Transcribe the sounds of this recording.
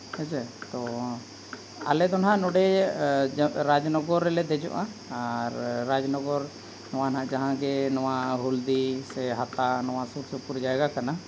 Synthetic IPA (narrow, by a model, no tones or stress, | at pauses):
at͡ʃɛt̪ɔ | a̰lɛd̪ɔnɦãʔnɔɖɛ | ɾad͡ʒnɔɡɔɾːɛlɛd̪ɛd͡ʒɔ̰ʔaaɾːad͡ʒnɔɡɔɾ | nɔwanɦãʔd͡ʒaɦãɡɛnɔwaɦuld̪isɛɦat̪anɔwasuɾsupuɾd͡ʒaɛɡakana